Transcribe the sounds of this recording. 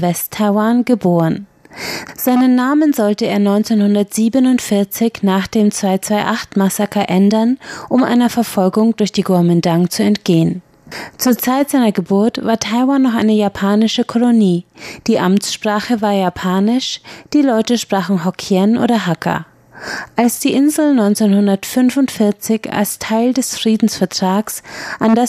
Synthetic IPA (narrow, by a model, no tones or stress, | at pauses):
vɛstʰːaɪwanɡəboːʁən | z̥aɪnənːaːmənzɔltəeːɐnɔʏnt͡seːnhʊndɐtz̥iːbənʊntfɪɐt͡sɪçnaːχd̥eːmt͡sv̥aɪt͡sv̥aɪʔaχtmasakɐʔɛndɐnʔʊmʔa̰ɪnɐfɛɐfɔlɡʊŋdʊɐçd̥iːɡʊɐmɪndaŋt͡suɛntɡ̥eːən | t͡suːɐt͡saɪtz̥aɪnɐɡəbʊɐtv̥aːɐtʰaɪwanːɔχʔa̰ɪnəjapʰaːnɪʃəkʰɔloniːd̥iːʔamt͡sʃpʁ̥aːχəvaːɐjapʰaːnɪʃd̥iːlɔʏtəʃpʁ̥aːχn̩ɦɔkʰjɛnʔo̰ːɾɐɦakʰɐ̰ | ʔalsd̥iːʔɪnzl̩nɔʏnt͡seːnhʊndɐtfʏnvʊntfɪɐt͡sɪça̰lstʰaɪldɛsfʁ̥iːdn̩sfɛɐtʁ̥aːksʔanda